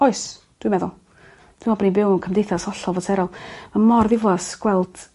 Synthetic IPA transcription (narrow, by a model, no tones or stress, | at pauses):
ɔɨs | d̥wimɛðʊlˠ | d̥wijmɔbənibɪwnkʰəmdejθasɔɬɔvɔtʰɛɾɔlˠmamɔrðɪvlˠasɡ̥wɛlˠd̥